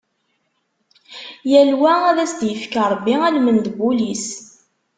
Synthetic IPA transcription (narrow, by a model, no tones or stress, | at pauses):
jælwææðæsd̪jəfkəɾˤbːiælmənd̪bulis